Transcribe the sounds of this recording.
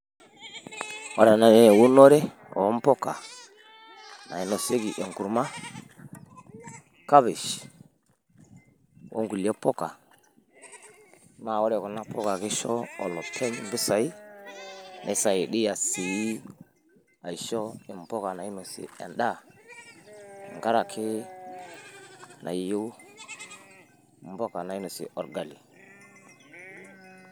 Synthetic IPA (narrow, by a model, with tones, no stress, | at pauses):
wo˦ɾa˨na˨ne˦˨wu˦no˦ɾe˦ | o̰˨˦m˦po˦ka̰˨ | na̰˨i˦no˨se˦ɡi˨ʔe˨ŋku˨ɾma˦ | ka˦bi˨ʃ | wʔo̰˦ŋɡu˨le˦po˦ka̰˨˦ | ma˨wo˦ɾe˨ko˨na˦po˦ka˨ki˦ʃo̰˦o̰˨lo˨tʰe˦i˨m˦bi˦sa˨i˦ | nʔa˨i˦sa˨ji˨ɗi˦ja˨si˨ji˦ | a˨i˨ʃo˦i˨mbo˦ka˨na˨i˦nu˨sḭ˨a̰˨nɗa˦˨ | ŋɡa˦ɾa˨kʰi˦ | nʔa̰˨ju˦ | m˦bo˦ka˨na˨i˦no˨sḭ˨ʔo˨ɾɡa˨li˨